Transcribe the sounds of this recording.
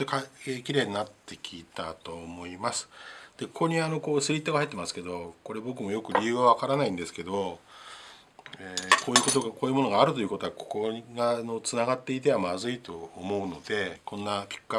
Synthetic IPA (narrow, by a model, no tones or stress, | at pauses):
ekaekʲiɾe̞ːɲinat̪ːe̞kʲʰiːt̪at̪o̞ːmo̞imasɨ̥d̪̥e̞ko̞ko̞ɲ̟iano̞ko̞ːsɨɾʲit̪ːo̞ɡahait̪ːemasɨ̥ke̞d̪o̞ko̞ɾe̞bo̞k̬ɯ̟mo̞jo̞kɯ̟ɾʲijɯ̟ːβaβakaɾanaĩnd̪e̞sɨ̥ked̪o̞ | eko̞ːjɯ̟kot̪oɡakoːjɯ̟mo̞no̞ɡaːɾɯ̟t̪o̞jɯ̟ko̞t̪o̞ako̞̥ko̞ɡano̞t͡sɨnaɡat̪ːe̞it̪e̞βamazɨit̪o̞ːmo̞ɯ̟no̞d̪e̞kʰõ̞nːapʲi̥kːɯa